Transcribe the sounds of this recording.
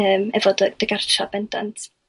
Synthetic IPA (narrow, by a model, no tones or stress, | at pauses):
əːmɛvɔdəd̥əɡart͡ʃʰab̥ɛndantʰ